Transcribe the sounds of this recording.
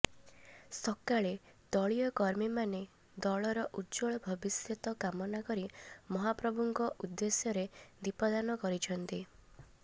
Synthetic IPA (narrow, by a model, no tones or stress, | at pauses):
sɔkaɭe | d̪̥ɔɭijɔkɔɾmimane | d̪ɔɭɔɾɔʔud͡ʒɔɭɔbʱɔbisjɔt̪ɔkamɔnakɔɾimɔɦapɾɔbʱuŋkɔʔud̪ːesjɔɾed̪ipɔd̪anɔkɔɾit͡ʃʰɔnt̪i